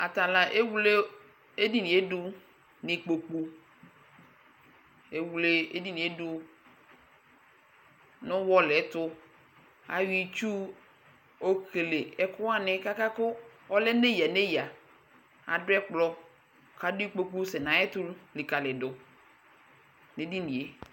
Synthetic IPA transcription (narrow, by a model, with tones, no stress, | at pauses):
a˨ta˨la˨ʔe˦wu˦le˦ | e˦di˨nĩ˨e˦dʊ˦ | nɪ˨k͡po˨k͡pu˨ | e˨wu˨le˦e˦di˨nĩ˨e˦du˨ | nʊ̃˦wɔ˦lɛ˨˦tʊ˦ | a̰˨wi˦t͡ʃu˦ | o˦kʰe˨le˨ɛ˨kʊ˦a˦nɪ̃˨ka˦ka˦kʊ˦ɔ˦lɛ˦ne˦ja˨ne˦ja˨ | a̰˨dʊ˦ɛ˦k͡plɔ˦˨ | kʰa˨dʊ˦i˦k͡po˨k͡pu˦sɛ˨nã˨˦ɛ˦tu˦lli˨ka˨lɪ˨dʊ˨ | ne˨di˦ni˨e˨˦